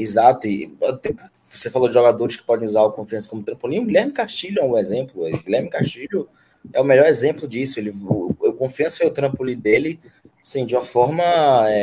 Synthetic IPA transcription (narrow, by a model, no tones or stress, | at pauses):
izat̪ʊɪ̰t̪ | vosefalod͡ʒɪʒɔɡad̪oɾɪʃkɪ̥pɔd̪ẽj̃uzaɾʊkõfiɐ̃sɐ̥kõmʊt̪ɾɐ̃polĩɲʊɡilʲɛɾmɪkaʃt͡ʃiʎʊɛʊezẽmplʊɛɡilɛɾmɪkaʃt͡ʃiʎʊ | ɛʊmɛʎɔɾɛzẽmplʊd͡ʒisʊelɪʊewkõfiɐ̃sʊeʊt̪ɾɐ̃polĩd̪elɪ | asĩd͡ʒiũmɐfɔɾmɐɛ